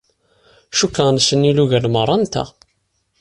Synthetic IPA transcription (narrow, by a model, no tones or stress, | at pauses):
ʃukːəʁnsənːiluʝælmərˤːɑnt̪æ̰